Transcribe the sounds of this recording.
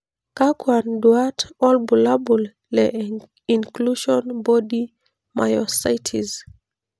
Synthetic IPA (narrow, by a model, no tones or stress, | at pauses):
kakwandwatɔlbulabul | lɛ | ĩnkluʃɔnbɔdi | ma̰jɔsajtʰiz